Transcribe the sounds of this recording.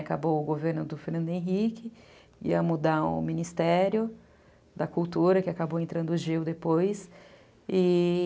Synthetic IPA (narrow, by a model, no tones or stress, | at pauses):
akabowʊɡoveɾnʊd̪ʊfeɾnɐ̃nd̪ʊẽɦikɪ | ḭɐmud̪aʊ̰̃mĩnist̪ɛɾjʊ | d̪ɐkuwt̪uɾɐkɪakabowẽnt̪ɾɐ̃nd̪ʊʊʒiwd̪epojs | i